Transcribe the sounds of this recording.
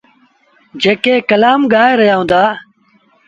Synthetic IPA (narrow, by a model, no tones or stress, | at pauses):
d͡ʒeːkeːkəlaːmɡaːeɾəjaːɦũːnd̪aː